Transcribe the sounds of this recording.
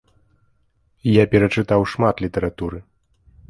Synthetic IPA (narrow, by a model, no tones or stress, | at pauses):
japʲɛɾɐt͡ʂɨt̪awʂmat̪lʲit̪ɐɾat̪uɾɨ